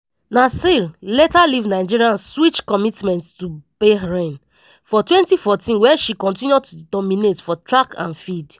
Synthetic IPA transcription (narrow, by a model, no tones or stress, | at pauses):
nasillɛtalivnaɪd͡ʒiɹiãnswit͡ʃkɔmitmɛ̃nttubeɹẽn | fɔtwɛ̃ntifɔtĩnwɛʃikɔ̃ntĩnjutudɔminetfɔtɹakã̰nfid